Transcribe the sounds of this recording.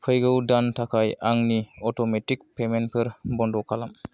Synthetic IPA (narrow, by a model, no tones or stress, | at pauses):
pʰɯjɡɯwdantʰakʰajʔaŋniɔtɔmetik̚pʰemenpʰɯɾbɔndɔkʰalam